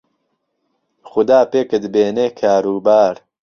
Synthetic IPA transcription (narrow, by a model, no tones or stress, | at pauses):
xʊd̪aːpeːkɨd̪ɨbeːneːkʰaːɾuːbaːɾ